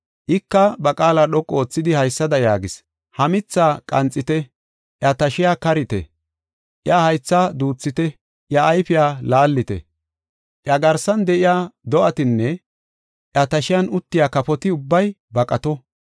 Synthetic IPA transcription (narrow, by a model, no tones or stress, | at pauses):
ʔɪkːɐbɐkʼaːlaːɗɔkʼːoːt͡sːɪd̪ɪhɐjsːɐd̪ɐjaːɡɪs | hɐmɪt͡sːaːkʼɐnt͡sʼːɪt̪ɛ | ʔjɐt̪ɐʃɪjaːkɐɾɪt̪ɛ̰ | ʔjahɐjt͡sːaːd̪uːt͡sːɪt̪ɛ | ʔjɐːjfɪjaːlaːlːɪt̪ɛ̰ | ʔjɐɡɐɾsɐnd̪ɛʔɪjaːd̪ɔʔɐt̪ɪnːɛ | ʔjɐt̪ɐʃɪjɐnʊt̪ːɪjaːkɐpɔt̪ɪʊbːɐj | bɐkʼɐt̪ɔ